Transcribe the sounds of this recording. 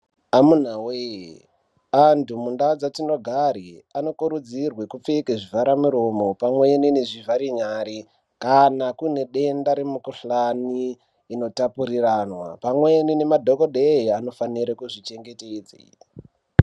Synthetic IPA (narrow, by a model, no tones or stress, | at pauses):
amun̤awe | antʰumundaod͡zatino̞ɡʱaɾiano̞kuɾud͡zirwekup͡fekeʐivaɾamuɾo̞mo̞pamwe̞nineʐivaɾiɲaːɾi | kanakune̞ɗe̞ndaɾemukuɬaniː | no̞tapuɾiranwa̰pamwenine̞madʱokoɗeiano̞faniɾekuʐit͡ʃe̞ŋɡe̞ted͡zḛ